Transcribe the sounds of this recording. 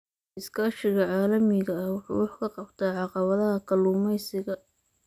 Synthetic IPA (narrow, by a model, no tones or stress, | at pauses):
ɪskʰaːʃɪɣɐʕɑːlɐmɪɣɐɐwʊħṵːwɑħkʰɐqɑbt̪ʰaːʕɑqɑβɐðɐɦɐkʰɐluːmɛjsɪɣɐ